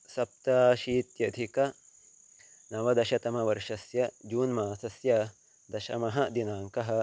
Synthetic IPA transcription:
sɐp̚t̪aːʃiːt̪jɐd̪ʱikɐ | nɐʋɐd̪ɐʃɐt̪ɐmɐʋɐɾʂɐsjɐd͡ʒuːnmaːsɐsjɐ | d̪ɐʃɐmɐɦɐd̪inaːŋkɐɦɐ̆

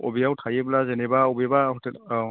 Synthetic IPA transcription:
o̰bijawtʰajɛblazɛnɛbaobibaɦɔt

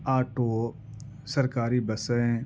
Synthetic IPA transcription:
aːʈoː | sɐɾkaːɾibɐsəẽ

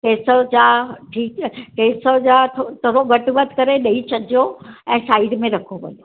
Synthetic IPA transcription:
keːsəd͡ʑaʈʰiːkkeːsəd͡ʑat̪ʰot̪ʰoɾoɡɐʈʋət̪kɐɾeɗɐit͡ɕʰɐd͡ʑijoɛ̃ːsaːɪɖmẽɾɐkʰoʋɐ̰ljo

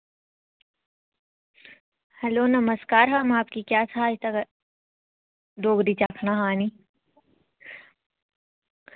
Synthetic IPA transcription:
hɐloːnɐməskaːɾɦɐmaːp̚kikjaːsaːit̪ɐɡ | ɖ̪oːɡɾit͡ʃakʰnaɦaːni

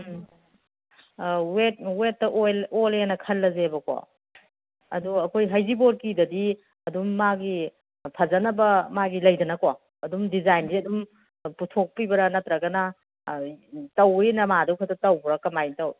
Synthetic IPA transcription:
wetwetːɐʔojolenɐkʰɐlːɐzebɐko̰ | ɐ̰duɐkʰojɦɐjziboɾkidɐdi | ɐdumːaɡi | pʰɐzɐnɐbɐmaɡilɐjdɐnɐko | ɐdumdizajnziɐdum | putʰok̚pibɐɾɐnɐtɾɐɡɐnɐ | tɐwijnɐmaduwkʰɐtɐtɐwbɾɐkɐmajtɐw

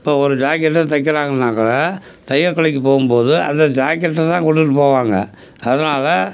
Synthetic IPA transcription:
ɪpːoːɔɾɯd͡ʒaːkɪɐʈːɐt̪ɐkːɐɾaːŋɡɐnaːkɐlɐ | t̪ɐjʋɐkːɐɭɐkːɯpoːɣɯmpoːðɯʔɐ̰nd̪ɐd͡ʒaːkɐʈːɐt̪ãːkɔɽʈɯʈːɯpoːʋaːŋɡɐ̰ | ɐðɐnaːlɐ

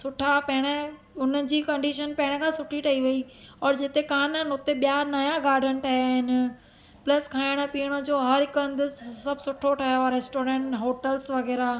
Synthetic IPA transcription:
sʊʈʰapɐɦɪɽ̃ə | ʊnəd͡ʑiːkɐ̃ɳɖiːʃənpɐ̃ɦɪ̃ɽ̃ə̆kʰãːsʊʈʰiʈʰɐiʋɐiɔːɾd͡ʑɪt̪ekaːnənʊt̪eɓijanɐjaɡaːɾɖə̃ɳʈʰɐɦjaːɦɪnɪ̆ | plɐskʰaːɪɽ̃əpiːəɽ̃əd͡ʑoːɦɐɾɪkɐ̃nd̪ʊsɐbʱsʊʈʰoʈʰɐɦjaːɾeːsʈoːɾẽːɳʈɦoːʈəlsʋɐɣɛːɾa

